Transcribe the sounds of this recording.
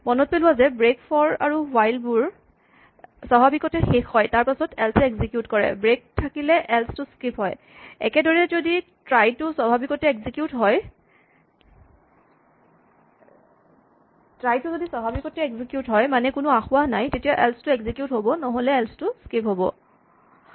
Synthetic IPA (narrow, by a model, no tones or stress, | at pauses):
mɔnɔt̚pelʊwazɛbɹekpʰɔɹa̰ɹuwajlbuɹ | sɔbʱabikɔtɛxexhɔjtaɹpasɔtɛlsɛkzikjutkɔɹɛ̰bɹek̚tʰakilɛʔɛlstʊskipɦɔj | ɛ̰kɛdɔɹɛzoditɹajtʊsɔbʱabikɔtɛɛɡzikjutɦɔj | tɹajtʊzodisɔbʱabikɔtɛɛɡzikjutɦɔjmanɛkʊnʊaxʊanajtetijaʔɛlstʊɛɡzikjutɦobɔnɔɦolɛːlstʊskipɦobɔ̰